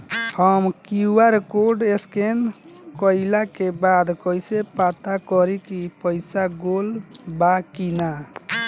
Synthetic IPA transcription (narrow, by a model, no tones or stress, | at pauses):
həmkiuwaɾekoɖeskenkɔɪlakebad̪kɔjsepat̪akɔɾikipəɪsaɡolbakina